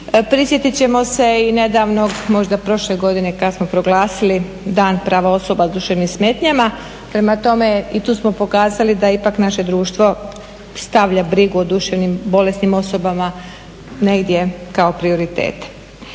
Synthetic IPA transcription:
pɾisjet̪it͡ɕe̞mo̞se̞ine̞d̪aːʋno̞ɡmo̞ʒd̪apɾo̞ʃleɡo̞d̪ine̞kad̪asmo̞pɾo̞ɡlaːsili | d̪aːnpɾaːʋao̞so̞bad̪uʃeʋnimsmeːt̪ɲama | pɾe̞mat̪o̞me̞it̪uːsmo̞po̞kaːzalid̪aipaknaʃe̞d̪ɾuːʃt̪ʋo̞ | st̪aʋʎabɾiɡuod̪uʃeʋnimbo̞le̞snimo̞so̞bama | ne̞ɡd̪je̞kao̞pɾio̞ɾit̪e̞̰ːt̪e̥

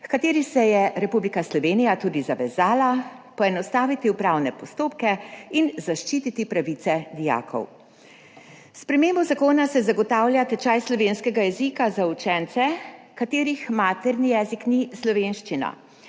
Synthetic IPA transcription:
fkat̪eːɾisɛjɛɾɛpublikaslɔʋeːnijat̪uːd̪izaʋɛzaːla | pɔɛnɔst̪aːʋit̪iupɾaːwnɛpɔst̪oːpkɛinzaʃt͡ʃit̪it̪ipɾaʋit̪sɛd̪ija̰ːkʰɔ̰w | spɾɛmeːmbuzakoːnasɛzaɡɔt̪aːwljat̪ɛt͡ʃajslɔʋeːnskɛɡajɛzikazaut͡ʃɛnt̪sɛ | kat̪eːɾixmaːt̪ɛɾnijɛːziknislɔʋenʃt͡ʃina̰

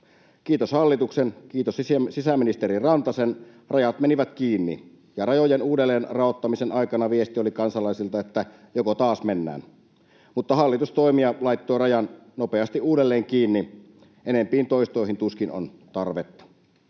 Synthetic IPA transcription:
kiːt̪oshɑlːit̪uksenkiːt̪ossisæminist̪eɾirɑnt̪ɑsen | rɑjɑt̪meniʋæt̪kiːnːḭ | jɑrɑjojenuːdelːeːnrɑot̪ːɑmisenɑikɑnɑʋiest̪iolikɑnsɑlɑˑisilt̪ɑet̪ːæ | jokot̪ɑːsmenːæ̰ːn | mut̪ːɑhɑlːit̪ust̪oimiɑlɑit̪ːoːrɑjɑnnopeɑst̪iʔuːdelːeːŋkiːnːi | ʔenempiːnt̪oist̪oihint̪uskino̰nt̪ɑrʋet̪ːɑ̥

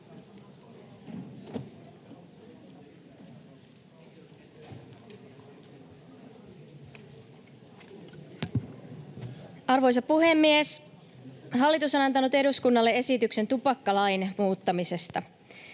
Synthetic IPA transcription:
ɑrʋo̞js̬ɑppːuɦe̞mːies | ɦɑlːit̪uso̞nɑnt̪ɑnut̪e̞duskunːɑlːee̞sit̪ykse̞nt̪upɑkːɑlɑjnmuːt̪ːɑmise̞st̪ɑ

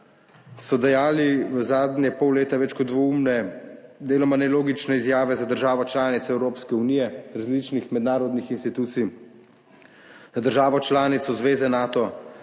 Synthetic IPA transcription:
sɔd̪ajaːliʋəzaːd̪njɛpɔwleːt̪aʋɛt͡ʃkɔt̪d̪ʋɔumnɛd̪eːlɔmanɛloːɡit͡ʃnɛizjaːʋɛzad̪əɾʒaːʋɔt͡ʃlaːnit̪sɔɛwɾoːpskɛunijɛɾazliːt͡ʃnixmɛd̪naːɾɔd̪nixinst̪it̪uːt̪sij | zad̪əɾʒaːʋɔt͡ʃlaːnit̪sɔzʋeːzɛnaːt̪ɔ

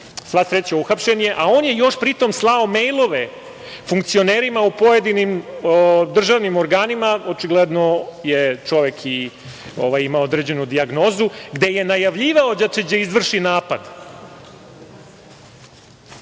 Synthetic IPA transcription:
sʋasɾet͡ɕauxapʃeɲjeʔao̞ːnje̞jo̞ʃpɾit̪o̞mslˠao̞me̞jlˠo̞ʋe | fuŋkt̪sio̞neːɾimaupo̞je̞d̪inim | d̪r̩ʒaʋnimoɾɡaːnimaot͡ʃiɡled̪nojet͡ʃo̞ʋekʰi | oʋajimaood̪ɾeːd͡ʑe̞nud̪iaɡno̞ːzuɡd̪e̞je̞najaʋʎiːʋao̞d͡ʑat͡ʃed͡ʑeizʋr̩ʃinaːpad̪

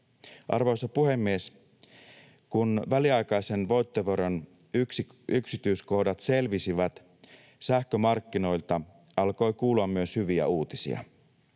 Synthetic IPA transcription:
ʔɑ̰rʋo̞jsɑpuɦe̞mːies | kunʋæliɑjkɑjse̞nʋo̞jt̪ːoʋoɾon | yksiyksit̪yːsko̞hdɑt̪se̞lʋisiʋæt̪ | sæhkø̞mɑrkːino̞jlt̪ɑ | ɑlko̞jkuːluɑmːyøshyʋiæ̰uːt̪isḭɑ̰

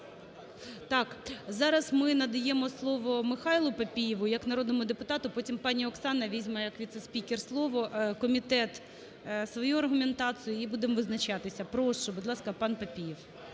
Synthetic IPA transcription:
t̪ɑkzɑɾɐzmɪnɐd̪ɐjɛmɔslˠɔʋɔmɪxɑjlˠʊpɐpʲijɪʋʊjɐknɐɾod̪nɔmʊd̪epʊt̪ɑt̪ʊpɔtʲimpɑnʲiɔksɑnɐʋʲizʲmɐjɐkʋʲid̪sesʲpʲikʲɪrslˠɔʋɔkɔmʲit̪ɛt̪ | sʋɔjuɐrɦʊment̪ɑt͡s̪ɨjʊibud̪emʋɪznɐt͡ʃɑt̪ɪsʲɐpɾɔʃt͡ʃɔbʊd̪lˠɑskɐpɑnpɐpʲijɪw

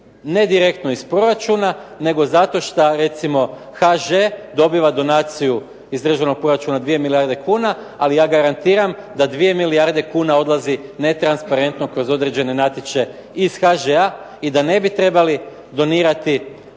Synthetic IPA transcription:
ne̞d̪iɾe̞kt̪no̞ispɾo̞ɾat͡ʃunane̞ɡo̞zat̪o̞ʃt̪aɾe̞t̪simo̞ | xaʒed̪o̞biʋad̪o̞naːt̪siju | izd̪ɾr̩ʒano̞k̚pɾo̞ɾat͡ʃunad̪ʋijemilijaɾd̪e̞kuːna | alijaːɡaɾant̪iːɾamd̪ad̪ʋije̞miliaɾd̪e̞kuːnao̞d̪lˠazine̞t̪ɾanspaɾe̞nt̪no̞kɾo̞zo̞d̪ɾe̞d͡ʑe̞ne̞nat̪jit͡ʃe̞ | isxaʒea | id̪ane̞bit̪ɾe̞bali | d̪o̞niːɾat̪i

